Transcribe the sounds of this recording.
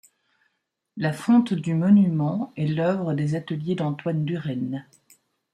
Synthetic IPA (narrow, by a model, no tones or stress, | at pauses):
lafɔ̃t̪d̪ymɔnymɑ̃ɛlœvʁəd̪ezat̪əljed̪ɑ̃t̪wand̪yʁɛn